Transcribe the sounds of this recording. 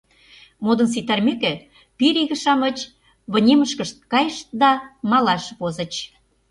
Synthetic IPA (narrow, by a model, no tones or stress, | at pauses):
mod̪ə̆ns̬it̪ærmekĕ | piɾiɣə̆ʃɑmə̆t͡ɕ | βɤ̆nʲeməʃkəʃt̪̚kɑjʃt̪d̪ɑmɑlɑʃβozə̆t͡ɕ